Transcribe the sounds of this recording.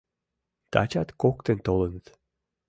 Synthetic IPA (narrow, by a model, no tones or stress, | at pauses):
t̪a̰t͡ɕat̪kokt̪ent̪olˠənət̪